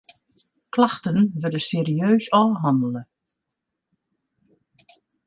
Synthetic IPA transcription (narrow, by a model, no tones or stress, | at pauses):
klaxtənʋʏrdəseːɾiøːsɔːɦɑndələ